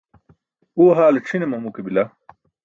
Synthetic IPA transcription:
uːɦaːleʈ͡ʂʰinemɐmukebila

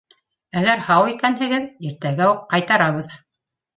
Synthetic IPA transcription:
æɡæɾhɑwikænɦɘ̆ɡɘðiɾt̪æɡæuqːɑjt̪ɑɾɑβɤ̆ð

